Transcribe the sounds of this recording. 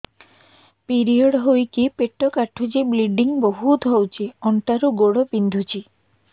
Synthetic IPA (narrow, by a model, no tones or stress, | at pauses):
piɾiɔɽɦojkipeʈːɔkaʈʰud͡ʒibliɖiŋbɔɦut̪ɦowt͡ʃʰiɔɳʈaɾuɡoɽɔpind̪ʱut͡ʃʰi